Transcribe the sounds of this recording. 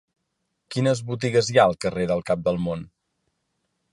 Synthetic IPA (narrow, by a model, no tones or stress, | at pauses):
kinəzβut̪̬iɣəzjaəlˠkəreðəlˠkap̚d̪əlˠmon